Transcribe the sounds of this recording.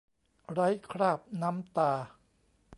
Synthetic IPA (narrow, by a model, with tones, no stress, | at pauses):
ɾa˦˥jkʰɾaː˥˩p̚na˦˥mt̪aː˧